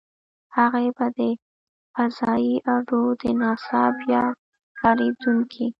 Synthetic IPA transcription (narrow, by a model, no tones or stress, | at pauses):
haɣebad̪ə | fazɑjiʔaɖod̪ənɑsɑbjɑ | kɑɾed̪uŋkʰi